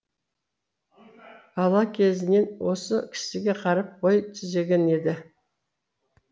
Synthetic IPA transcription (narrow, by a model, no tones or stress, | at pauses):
ɑlˠɑkʲʰe̞zɪne̞nwo̞səkʲʰɪ̥sɪɡʲe̞qʰɑɾɑp̚bojt̪ʰʏze̞ɡʲe̞ne̞d̪ɪ